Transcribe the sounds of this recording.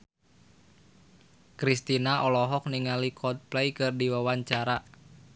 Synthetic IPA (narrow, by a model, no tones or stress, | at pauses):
kɾist̪inaʔɔlɔɦɔk̚niŋalikʰɔd̪̚plɛjkɨrdiwawaɲt͡ʃaɾa